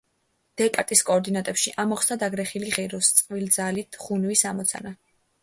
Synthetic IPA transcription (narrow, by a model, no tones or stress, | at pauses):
d̪̥ɛpʼat̪ʼiskʼɔːɾd̪inat̪ʼɛpʃiʔamɔχsd̪ad̪aɡɾɛχiliʁɛɾɔst̪sʼqʼvild̪zalit̪ʰχunvisamɔt̪sʰa̰na